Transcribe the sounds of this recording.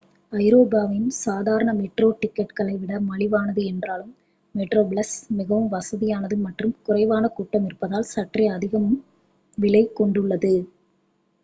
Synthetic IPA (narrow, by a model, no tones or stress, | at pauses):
ɐɪɾoːbaːʋɐjɯmsaːðaːɾɐɳɐmɛʈroːʈɪkːɛʈkɐɭɐɪʋɪɽɐmɐɭɪʋaːnɐðɯɛndraːlɯmː | ɛʈroːbɭɐsmɪɣɐʋɯmʋɐsɐðɪjaːnɐðɯmɐʈrɯmkʊrɐɪʋaːnɐkuːʈːɐmɪɾɯpːɐðaːlsɐʈriɪɐðɪɣɐmɯm | ʋɪɭɐɪkɔɳɖɯɭːɐðɯ